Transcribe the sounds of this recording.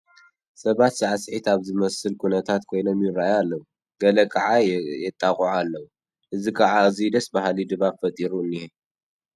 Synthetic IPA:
sɐβat̪z̥ɨʕasħit̪aβzɨmɐsɨlkʰunɐt̪ʰat̪kʰo̞jno̞mjɪɾaajalːɐw | ɡɐlɐkʰaʕajɛt̪ʼːakʼɔʕalːɐwu | ʔɨzikʰaʕazid̪ɐsbahlid̪ɨβabfɐt̪ʼiɾuɨnːihɛ

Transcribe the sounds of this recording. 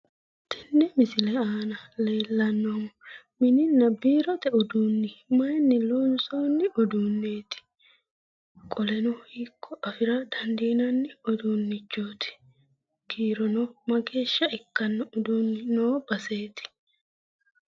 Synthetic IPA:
t̪ɪnːɛmɪsɪlɛaːnɐle̞ːlːɐnːɔmɔ | mɪnɪnːɐbiːɾɔt̪ɛɔd̪uːnːɪmɐjnːɪloːnsɔːnːɪʔɔd̪uːnːeːt̪ɪ̥ | kʼɔlɛnɔhiːkʰːɔʔɐfɪɾɐd̪̥ɐnd̪iːnɐnːɪɔd̪unːɪt͡ʃːoːt̪ɪ̥ | ɡ̥iːɾɔnɔmɐɡe̞ːʃːɐɪkːɐnːɐɔd̪uːnːɪnoːb̥ɐse̞ːt̪ɪ̥

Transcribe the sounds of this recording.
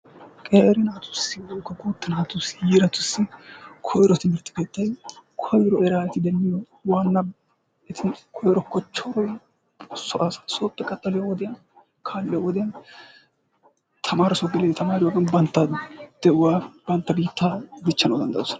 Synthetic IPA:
kʼeːɾɪnaːt̪ʊ̥sɪwoːkːɐɡuːt̪ːɪnaːt̪ʊsjiːɾɐt̪ʊsːɪkʰɔjɾɔt̪ɪmɪɾt̪ːɪ̥keːt̪ːɐjkʰɔjɾɔɛɾaːɛt̪ɪd̪ɛlːɪjɔ | waːnːɐ | ɪt̪ʰɪkʰɔjɾɔkːɔt͡ʃːɔɾɔj | sɔʔasḁsoːt̪ʼːɛkʼɐt̪ʼːɐlɪjɔwɔd̪ɪjɐ | kʰaːlːɪjɐwɔd̪ɪjɐn | t̪ʰɐmaːɾɪsɔɡɪlɛt̪ɐmaːɾɪwɔɡɐnbɐnt̪ːɐd̪̥ɛʔʊwaːbɐnt̪ːɐbiːt̪ːaːd̪ɪt͡ʃːɐnod̪ɐnd̪ɐ̰sɔ̥nɐ

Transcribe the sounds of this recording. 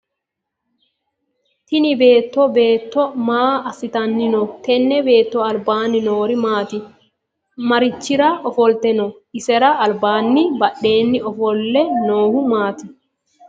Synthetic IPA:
t̪ɪnɪbe̞ːt̪ːɔbe̞ːt̪ːɔmaːɐsɪt̪ɐnːɪnɔt̪ɛnːɛbe̞ːt̪ːɔɐlbaːnːɪnoːɾɪmaːt̪ɪ | mɐɾɪt͡ʃːɪɾaʔɔfɔlt̪ɛnɔ | ɪsɛɾɐʔɐlbaːnːɪbɐɗːe̞ːnːɪɔfɔlːɛnoːhʊmaːt̪ɪ

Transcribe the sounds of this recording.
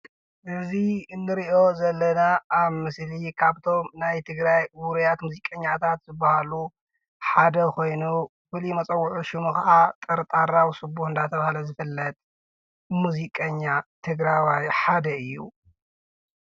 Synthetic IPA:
ʔɨziɨnːɨɾiʔo̞zɐlːɐnaːβmɨslikʰaβt̪ʰo̞mnajt̪ʰɨɡɾajwʊɾujat̪muzikʼɐɲːat̪ʰat̪zɨbːahalu | ħad̪ɐko̞jnu | fɨlimɐt͡sʼɐwːʊʕuʃɪmukɐʔat̪ʼɐɾt̪ʼaɾawsɨbuħɨnd̪at̪ʰɐβahalɐzɨfɨlːɐt̪ʼ | muzikʼɐɲːat̪ʰɨɡɾawajħad̪ɐɨjːṵ

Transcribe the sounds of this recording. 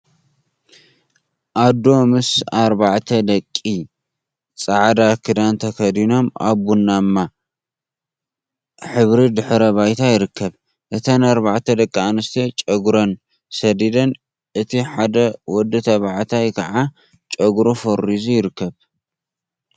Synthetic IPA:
ʔad̪o̞mɨsaɾbaʕt̪ʰɐd̪ɐkʼːi | t͡sʼaʕd̪akʰɨd̪ant̪ʰɐkʰɐd̪ino̞ma̰βːunːamːa | ħɨβɾid̪ɨħɾɐβajt̪ʰajɪɾɨkːɐβ | ʔɨt̪ʰɐnaɾbaʕt̪ʰɐd̪ɐkʼːianɨst̪ʰet͡ʃʼɐɡɾon | sɐd̪id̪ɐn | ʔɨt̪ʰiħad̪ɐwɔd̪ːɨt̪ʰɐβaʕt̪ʰajkʰɐʕa | t͡ʃʼɐɡɾofoɾːizujɪɾɨkːɐβ

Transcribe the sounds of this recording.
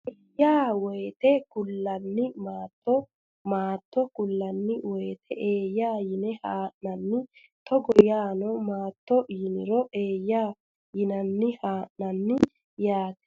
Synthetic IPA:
ʔeːjːaːwɔjt̪ɛkʊlːɐnːɪmaːt̪ːɔ | maːt̪ːɔkʊlːɐnːɪwɔjt̪ʰɛʔeːjːaːjɪnɛhaːʔnɐnːɪ | t̪ɔɡɔjaːnɔmaːt̪ːɔjɪnɪ̰ɾɔʔeːjːaː | jɪnɐnːɪhaːʔnɐnːɪ | jaːt̪ɛ̥

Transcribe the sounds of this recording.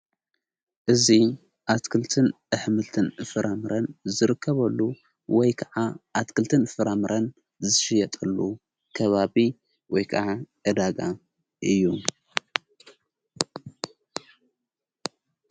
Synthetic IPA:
ʔɨzi | ʔat̪kʰɨlt̪ʰɨnʔɨħmɨlt̪ʰɨnɨfɨɾʔamɨɾʔɐnzɨɾɨkʰːɐβɐlːu | wɔjkʰɐʕaʔat̪kʰɨlt̪ʰɨnfɨɾamɨɾʔɐn | zɨʃɪjɐt̪ʼɐlːu | kʰɐβaβi | wɔjkʰɐʕaʔɨd̪aɡa | ʔɨjːu

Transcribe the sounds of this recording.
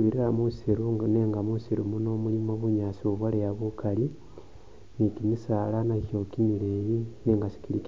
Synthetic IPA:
βiɾiɾamusiɾuŋneŋɡamusiɾumuno̞mulimoβuɲasiuβwalejaβukali | nikimisaːlanaçjo̞kimilejineːŋɡasi̥kilik

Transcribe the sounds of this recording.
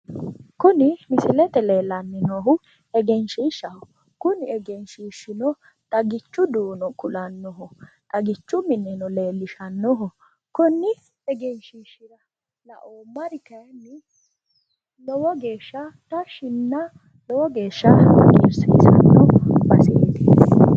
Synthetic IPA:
kʊnɪmɪsɪlɛt̪ɛleːlɐnːɪnɔɦʊ | ɛɡɛnʃiːʃːɐhʊ | kʊnɪɛɡɛnʃiːʃɪnɔ | t̪ʼɐɡɪt͡ʃːʊd̪uːnɔkʊlɐnːɔɦɔt̪ʼɐɡɪt͡ʃːʊmɪnːɛnɔle̞ːlːɪʃɐnːɔɦɔ | kʊnːɪ | ɛɡɛnʃiːʃɪɾɐ | lɐ̰ʔoːmɐɾɪkɐjnːɪ | lɔwɔɡeːʃːɐt̪ɐʃɪnːɐ | lɔwɔɡe̞ːʃːɐɐ̰kʼḭːɾsḭsɐ̰nːɔbɐsed̪e

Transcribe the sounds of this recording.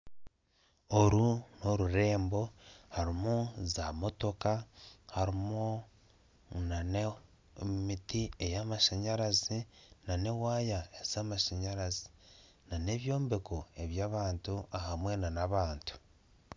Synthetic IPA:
oɾuno̞ɾuɾe̞ːmbo̞haɾimuzamo̞to̞kahaɾimu | nane | mitiejamaʃaɲaɾazinane̞waːjaez̥amaʃaɲaɾazi̥ | nane̞βjo̞ːmbe̞koe̞βjaːβaːntuʔahamwe̞nanaβaːntu̥

